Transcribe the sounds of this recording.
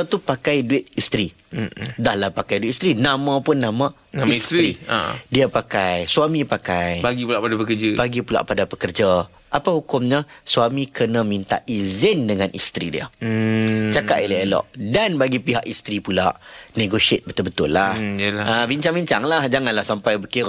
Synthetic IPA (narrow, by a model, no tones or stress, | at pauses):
at̪upakajduɪt̪̚ist̪ɾi | dahlahpakajduit̪̚ist̪ɾinãmãpʊnːãmã | sḭdiapakajsuamipakajbaɡipulaʔpadapəkəd͡ʒəbaɡipula̰ʔpadapəkərd͡ʒa | ʔapahukʊmɲəsuamikərnə̃mĩnt̪a̰ʔʔizɪndəŋanʔḭst̪ɾidiə̰ | t͡ʃakaʔ̪ilaəlɔ̰ʔdanbaɡipiɦaʔist̪ɾipulaʔneɡosiet̪̚bət̪ʊlbət̪ʊlːahlaabiɲt͡ʃaŋbiɲt͡ʃaŋlahd͡ʒaŋanlahsampajbəkiɾ